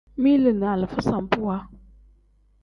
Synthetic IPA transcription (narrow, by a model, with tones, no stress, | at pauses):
mi˦lɨ˨n˨a˨lɨ˨fɨ˦sa˨m˨pu˦wa˦